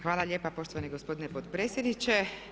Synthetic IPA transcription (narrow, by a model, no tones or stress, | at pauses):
xʋaːlˠaʎʲjeːpapo̞ʃt̪oʋaniɡospo̞d̪inepot̪pɾeːsʲjed̪nit͡ɕe